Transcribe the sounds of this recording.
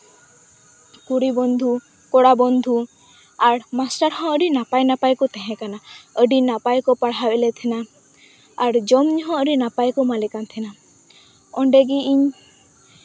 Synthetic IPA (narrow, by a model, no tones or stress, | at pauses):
kuɽibɔnd̪ʱu | kɔɽabɔnd̪ʱu | aɽmasʈaɾɦɔ̃əɾinapajnapajkut̪ɛɦɛ̃kanaəɖinapajkɔpaɽɦawɛlet̪ʰina | aɽd͡ʒɔmɲɦɔ̃əɾinapajkɔmalikant̪ʰina | ɔɳɖeɡiiɲ